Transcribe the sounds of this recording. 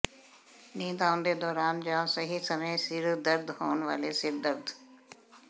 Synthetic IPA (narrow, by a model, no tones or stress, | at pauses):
nĩːd̪aːʊnd̪ed̪ɔːɾaːnd͡ʒãːsɐɦisɐməjsɪɾd̪ɐɾd̪ɦoːnʋa̰ːlesɪɾd̪ɐɾd̪